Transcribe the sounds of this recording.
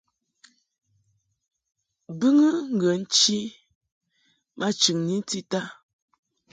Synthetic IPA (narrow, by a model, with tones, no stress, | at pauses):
bɨ˦ŋə˦ŋ̩˨ɡə˨n̩˦t͡ʃi˦ | ma˦t͡ʃʉ˨ŋni˦n˦ti˦ta˦